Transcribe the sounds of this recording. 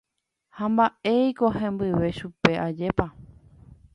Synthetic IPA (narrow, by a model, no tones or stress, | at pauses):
hãmbae̞jko̞ɦẽmbɨʋe̞ʃupe̞ʔad͡ʒe̞pa